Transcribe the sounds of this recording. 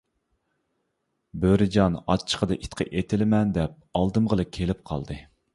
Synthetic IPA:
bøɾɪd͡ʒɑnɑ̰t͡ʃʰə̥qʰəd̪ɨʔit̪qʰə̰ʔet̪ʰɪlɪmɛnd̪ɛp̚ɑlˠd̪ɨmʁəlˠɨkʲʰelɪp̚qʰɑ̰lˠd̪ɨ

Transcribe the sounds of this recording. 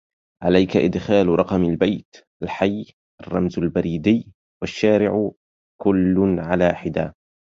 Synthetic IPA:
ʕalajkaʔɪd̪xaːlɾˤɑqɑmalbajt̪ʔalħaj | ʔɑrˤːɑmzalbaɾiːd̪ɪjː | waʃːaːɾɪʕ | kʊlːʊnʕalaːħɪd̪a̰ː

